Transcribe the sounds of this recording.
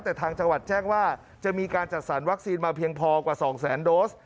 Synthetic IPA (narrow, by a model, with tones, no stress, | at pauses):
t̪ɛː˨˩t̪ʰaː˧ŋt͡ɕa˧ŋwa˨˩t̪̚t͡ɕɛː˥˩ŋwaː˥˩ | t͡ɕa˨˩miː˧kaː˧nt͡ɕa˨˩t̪̚sa˩˦nwa˦˥k̚siː˧nmaː˧pʰi˧əŋpʰɔː˧kwaː˨˩sɔː˩˦ŋsɛː˩˦ndoː˦˥s